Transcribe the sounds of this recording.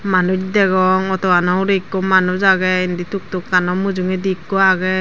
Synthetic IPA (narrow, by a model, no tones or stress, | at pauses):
manutidɛɡɔŋɔtɔwanɔɾikːɔmanuzaɡɛindituk̚tukːanɔmuzuŋɛdikːɔaɡɛ